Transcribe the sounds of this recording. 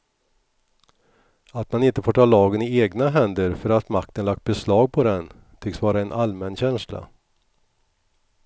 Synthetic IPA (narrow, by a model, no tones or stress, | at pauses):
at̪manɪnt̪əfoːʈʰɑːlɑːɡənɪeːɡnaɦɛnd̪əɾfœɾat̪mak̚t̪ənlak̚t̪̚bɛslɑːɡ̚pʰɔd̪ɛn | t̪ʰʏksvɑːɾaɛnʔalmɛnɕɛnsla̰